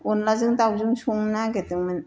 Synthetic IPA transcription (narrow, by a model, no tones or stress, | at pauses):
onlazɯŋtawzɯŋsuŋnaɡetɯŋman